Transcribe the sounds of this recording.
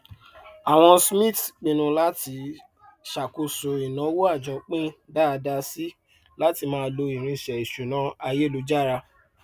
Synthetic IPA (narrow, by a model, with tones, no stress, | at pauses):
a˨w̃ɔ̃˧smĩ˦˨tk͡pĩ˨nũ˧˦la˦ti˧˦ | ʃa˨ko˧so˨i˨nã˨˦wo˦a˦˨d͡ʒɔ̃˨˦k͡pĩ˦da˦˧da˧si˦ | la˦ti˧mãː˦˧˦lo˧i˨ɾ̃ĩ˧˨ʃɛ˨i˨ʃu˨nã˨˦a˧je˦˨lu˧˦d͡ʒa˦˨ɾa˧